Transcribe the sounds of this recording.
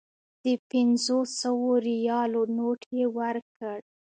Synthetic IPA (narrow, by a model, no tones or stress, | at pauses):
d̪̥əpɪnzosəwoɾijɑlonoʈjewəɾkəɽ